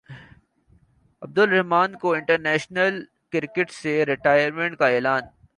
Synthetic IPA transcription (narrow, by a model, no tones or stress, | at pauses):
ɐb̚d̪ʊlɾɛɦmaːnkoɪ̃ɳʈəɾnɛːʃnəl | kɪɾkɪʈseɾɪʈaːjəɾmẽɳʈkaeːlaːn